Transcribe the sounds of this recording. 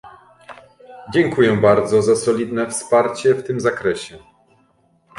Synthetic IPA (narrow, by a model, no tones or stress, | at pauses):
d͡ʑɛŋkujɛbaɾd̪zɔzasɔlʲid̪nɛfspaɾt͡ɕɛft̪ɘmzakɾɛɕɛ